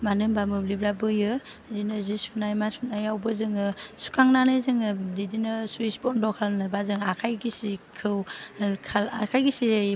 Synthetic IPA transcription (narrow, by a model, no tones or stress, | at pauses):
manɯmbamɯblibɾabɯjɯ | dinɯzisunajmasunajawbɯzɯŋɯsu̥kʰaŋnanɯjzɯŋɯdidinɯsuisbɔndɔkʰalnɯbazɯŋakʰajɡisikʰɯwkʰalakʰajɡisiɾa